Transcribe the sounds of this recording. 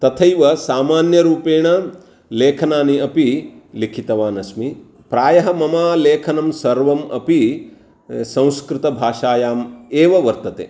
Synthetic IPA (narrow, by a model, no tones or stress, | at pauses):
t̪ɐt̪ʰɐjʋɐsaːmaːnjɐɾuːpeːɳɐ | leːkʰɐnaːniɐpilikʰit̪ɐʋaːnɐsmi | pɾaːjɐɦɐmɐmaːleːkʰɐnɐmsɐɾʋɐmɐ̰pi | sɐ̃w̃skɾɪt̪ɐbʱaːʂaːjaːmeːʋɐʋɐɾt̪ɐt̪ḛː